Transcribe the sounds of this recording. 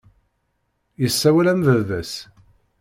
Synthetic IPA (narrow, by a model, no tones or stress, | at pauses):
jəsːæwælæmðəððæs